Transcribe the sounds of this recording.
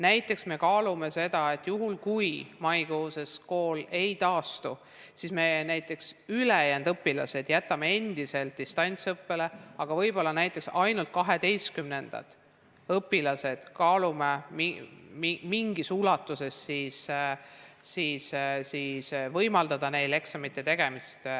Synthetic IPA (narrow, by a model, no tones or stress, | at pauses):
næjt̪ːˑe̞ksme̞kɑːlume̞se̞d̪ɑe̞t̪ːˑjuɦulkujmɑjkoːse̞sko̞ːle̞jt̪ɑːst̪u | sisme̞næjt̪ːˑe̞ksylejænd̪ɤpːilɑ̰se̞d̪̥jæt̪ːˑɑmee̞nd̪̥ise̞lt̪̚d̪ist̪ɑnʲt̪sɤpːe̞le̞ɑɡ̥ɑvɤjb̥o̞lːɑnæjt̪ːˑe̞ksɑjnult̪̚kɑɦe̞d̪e̞jst̪̚kymne̞nd̪̥ɑ̰t̪ | ɤpːilɑse̞d̪̥kɑːlumemiimiŋɡisulɑt̪ːˑuse̞sːis | siːssiːsvɤjmɑld̪̥ɑd̪̥ɑne̞jle̞ksɑmit̪ːe̞t̪e̞ɡ̥e̞mist̪